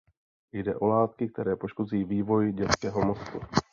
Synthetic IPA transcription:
jdɛʔo̞laːt̪̚kɪk̚t̪ɛɾɛːpo̞ʃko̞ziːviːvo̞jɟɛt͡skɛːɦo̞mo̞sk̪u

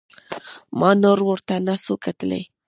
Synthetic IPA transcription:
mɑnoɾwəɾt̪anasokat̪əlḛj

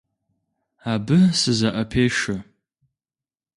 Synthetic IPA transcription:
aːbɨsɨzɐʔɐpʰeːʃɐ

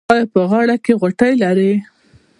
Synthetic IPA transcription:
ɑjpəɣɑɽakeɣoʈəjlaɾe

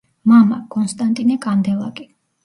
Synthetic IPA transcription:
mamakʼɔnst̪ʼant̪ʼinɛkʼand̪ɛlˠakʼi

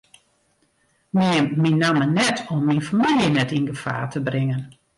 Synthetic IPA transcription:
miminːamənɛtʰɔmːinfamiljənɛtinɡəfa̰ːtʰəbrɪŋən

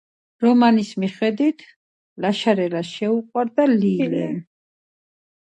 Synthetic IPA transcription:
ɾɔmanismiχɛd̪wit̪ʰ | laʃaɾɛlaʃɛuqʼwaɾd̪aliːlɛ̰n

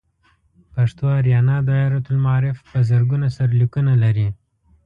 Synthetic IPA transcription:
paʂt̪oaɾjɑnɑd̪ɑjɑɾat̪ʊlmaɑɾɪfpəzəɾɡunasaɾlikunalaɾi

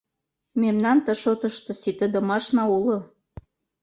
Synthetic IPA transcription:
memnɑnt̪ə̆ʃot̪ə̆ʃt̪ɤ̆sit̪ə̆d̪ə̆mɑʃnɑulo

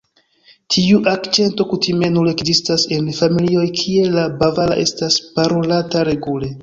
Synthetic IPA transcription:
tʰiuʔakt͡ʃe̞nto̞kutime̞nule̞kzistase̞nfamilio̞jkʰie̞labavala̰ʔe̞staspaɾo̞lataɾe̞ɡule̞

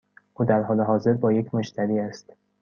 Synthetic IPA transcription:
ʔuːd̪æɾɦɒːleɦɒːze̞ɾbɒːjecʰmot͡ʃt̪ʰæɾiːæst̪

